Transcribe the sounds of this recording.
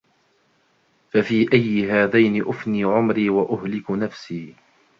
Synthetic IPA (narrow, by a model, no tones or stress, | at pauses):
fafiːʔajːɪɦaːðajnɪʔʊfniːʕʊmɾiːwaʔʊɦlɪknafsiː